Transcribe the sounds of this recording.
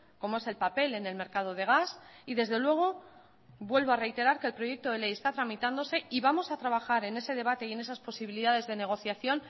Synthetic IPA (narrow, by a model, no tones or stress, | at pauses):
ko̞moe̞se̞lpape̞le̞ne̞lme̞ɾkað̞o̞ð̞e̞ɣ̞asiðe̞zðe̞lwe̞ɣ̞o̞ | bwe̞lβoare̞jt̪e̞ɾaɾkeːlpɾo̞je̞k̚t̪o̞ðele̞jest̪at̪ɾamit̪and̪ose̞iβamo̞sat̪ɾaβaxaɾe̞ne̞se̞ð̞e̞β̞at̪e̞ie̞ne̞saspo̞siβiliðaðe̞zðe̞ne̞ɣ̞o̞θjaθjo̞n